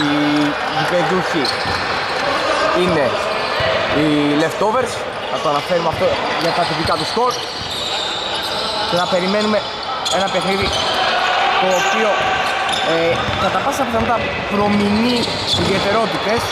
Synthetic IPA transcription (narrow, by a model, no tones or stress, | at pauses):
i | ipeðuçi | ine̞ | ileft̪o̞ve̞ɾs | nɐt̪oɐnɐfe̞ɾumeɐft̪o̞ | ʝɐt̪ɐt̪ipikɐt̪ust̪o̞ɾt̪ | cenɐpe̞ɾime̞nume̞ | e̞nɐpe̞xniði | t̪o̞ːpio̞ | e | kɐt̪ɐpɐsɐpiθɐmɐt̪ɐ | pɾo̞mini | iðie̞t̪e̞ɾo̞t̪it̪e̞s